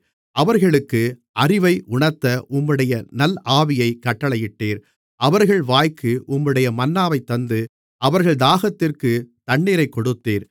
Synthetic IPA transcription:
ʔɐʋɐɾɣɐɭɯkːɯʔɐrɪʋɐɪʔʊɳɐɾt̪ɐʔʊmːɯɽɐjɐnɐlaːʋɪjɐɪkɐʈːɐɭɐjɪʈːeːɾ | ʔɐʋɐɾɣɐɭʋaːjkːɯʔʊmːɯɽɐjɐmɐnːaːʋɐɪt̪ːɐnd̪ɯ | ʔɐʋɐɾɣɐɭd̪aːɣɐt̪ːɪrkɯt̪ɐɳːiːɾɐɪkːɔɽɯt̪ːeːɾ

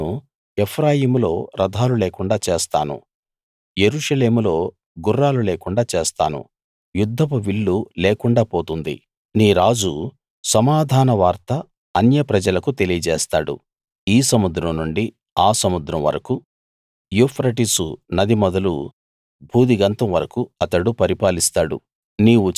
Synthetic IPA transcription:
u | epʰɾaːjiːmulo̞ːɾɐd̪ʱaːluleːkuɳɖaːt͡ʃe̞ːst̪a̰ːnṵ | je̞ɾuʂɐle̞ːmulo̞ː | ɡurːaːluleːkuɳɖaːt͡ʃe̞ːst̪a̰ːnṵ | jud̪ʱːɐpuʋiɭːuleːkuɳɖaːpo̞ːt̪und̪ḭ | niːɾaːd͡ʒu | sɐmaːd̪ʱaːnɐʋaːɾt̪ɐ | ɐnjɐpɾɐd͡ʒɐlɐkut̪e̞lijɐd͡ʒeːst̪a̰ːɽṵ | iːsɐmud̪ɾɐmnuɳɖi | aːsɐmud̪ɾɐmʋɐ̰ɾɐku | jupʰɾɐʈisṵnɐd̪imɔd̪ɐlṵ | bʱuːd̪iɡɐnt̪ɐmʋɐɾɐkuɐt̪ɐɽupɐɾipaːlist̪aːɽṵ | niːʋu

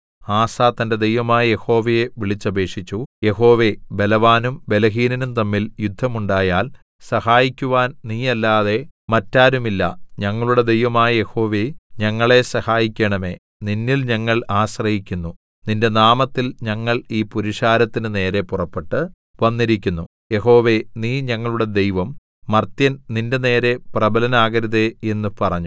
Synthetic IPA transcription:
aːsaːt̪ɐnde̞d̪e̞jʋɐmaːjɐje̞ho̞ːʋɐje̞ʋiɭit͡ɕːɐbʱe̞ːʂit͡ɕːuje̞ɦo̞ːʋe̞be̞lɐʋaːnumbe̞lɐɦiːninumt̪ɐmːiljud̪ʱːɐmuɳɖaːjaːl | sɐhaːjikʲːuʋaːnniːjɐlːaːðe̞mɐtːaːɾumilːɐ̰ɲɐŋːɐɭuɽe̞d̪e̞jʋɐmaːjɐje̞ho̞ːʋeɲɐŋːɐɭe̞sɐhaːjikʲːɐɳɐme̞ː | ninːilɲɐŋːɐɭaːɕrɐhikʲːunːu | ninde̞naːmɐt̪ːilɲɐŋːɐɭiːpuɾiʂaːɾɐt̪ːinɨne̞ːɾe̞purɐpːe̞ʈːɨ | ʋɐnːiɾikʲːunːu | je̞ho̞ːʋe̞niːɲɐŋːɐɭuɽe̞d̪e̞jʋɐmː | ɐrt̪jɐnninde̞ne̞ːɾe̞prɐbɐlɐnaːɣɐɾuðe̞e̞nːupɐrɐɲːu

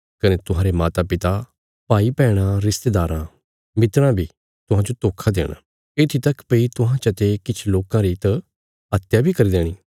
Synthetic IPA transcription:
kɐnet̪ʊɦãːɾemaːt̪apɪt̪a | paːipɛːɽ̃aɾɪst̪ed̪aːɾã | mɪt̪ɾãbʱiː | t̪ʊɦãd͡ʒot̪oːkʰad̪ḛːɽ̃a̰ | et̪ʰit̪ɐkpeit̪ʊɦãt͡ʃɐt̪ekɪt͡ʃʰloːkãɾit̪ | ɦɐt̪jabʱikɐɾiːd̪eːɽ̃iː

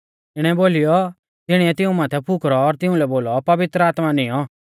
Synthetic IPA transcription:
ɪɽ̃ɛboːlijɔ | t̪ɪɽ̃iɛt̪ɪ̃ũmaːt̪ʰɛpʰʊkɾɔːɾt̪ɪũlɛboːlɔpɐʋɪt̪ɾəaːt̪manɪjɔ

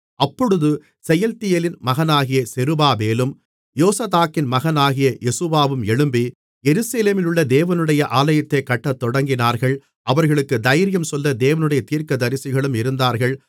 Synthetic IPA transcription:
ɐpːɔɽɯðɯ | sɛjɐlt̪ɪjelɪnmɐɣɐnaːɣɪjɐsɛɾɯbaːmeːlɯm | joːsɐðaːkːɪnmɐɣɐnaːɣɪjɐʔɛsuʋaːʋɯmɛɻɯmbi | jɛɾɯsɐleːmɪlɯɭːɐd̪eːʋɐnɯɽɐjɐʔaːlɐjɐt̪ːɐɪkːɐʈːɐt̪ːɔɽɐŋɡɪnaːɾɣɐɭ | ʔɐʋɐɾɣɐɭɯkːɯd̪ɐjɐɾɪjɐmsɔlːɐd̪eːʋɐnɯɽɐjɐt̪iːɾkɐd̪ɐɾɪsɪɣɐɭɯmɪɾɯnd̪aːɾɣɐɭ

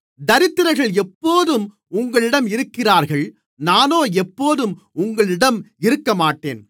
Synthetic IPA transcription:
d̪ɐɾɪt̪ːɯɾɐɪɣɐɭɛpːoːðɯm | ʊŋɡɐɭɪɽɐmɪɾɯkːɪraːɾɣɐɭ | naːnoːɛpːoːðɯm | ʊŋɡɐɭɪɽɐmɪɾɯkːɐmaːʈːeːn

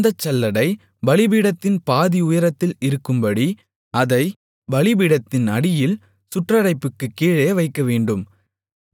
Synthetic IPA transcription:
d̪ɐt͡ʃːɐlːɐɽɐɪ | bɐlɪbiːɽɐt̪ːɪnpaːðiʊjɐɾɐt̪ːɪlɪɾɯkːɯmbɐɽi | ɐðɐɪ | bɐɭɪbiːɽɐt̪ːɪnɐɽɪjɪl | sʊʈrɐɾɐɪpːɯkːɯkːiːɻɐjɐʋɐɪkːɐʋeːɳɖɯm

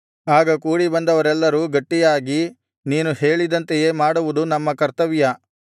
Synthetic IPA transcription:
aːɡɐkuːɽibɐnd̪ɐʋɐɾɛlːɐɾuːɡɐʈːijaːɡi | niːnuheːɭid̪ɐnt̪eje̞ːmaːɽuʋud̪unɐmːɐkɐɾt̪ɐʋijɐ

